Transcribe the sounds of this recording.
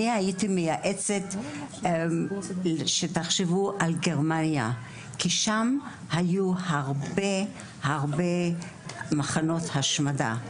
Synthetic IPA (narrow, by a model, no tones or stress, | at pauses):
ihajitimejaʔet͡set | ʃetaχʃevuʔalɡe̞ʁmanja | kiʃam | hajuhaʁbe | haʁbe̞ | maχano̞thaʃmada̰